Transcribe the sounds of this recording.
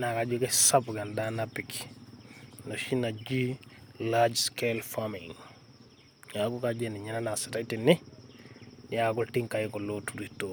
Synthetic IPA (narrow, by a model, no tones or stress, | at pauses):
nakad͡ʒukɛsabɡandanapiki̥ | nɔʃinad͡ʒilad͡ʒskelfamiŋ | jakukad͡ʒɛniɲananasɛtaitinːi | jaɡultiŋkajɛkɔlotuɾito